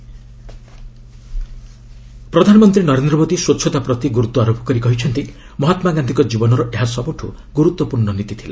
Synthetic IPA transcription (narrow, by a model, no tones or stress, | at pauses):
pɾɔd̪ʱanɔmɔnt̪ɾinɔɾend̪ɾɔmod̪iswotːʃʰɔt̪apɾɔt̪iɡuɾut̪wɔaɾopɔ̥kɔɾikɔɦit͡ʃʰɔnt̪i | mɔɦat̪maɡand̪ʱikɔd͡ʒibɔnɔɾɔʔeɦasɔbuʈʰṵ | ɡuɾut̪wɔpuɾɳɔnit̪it̪ʰila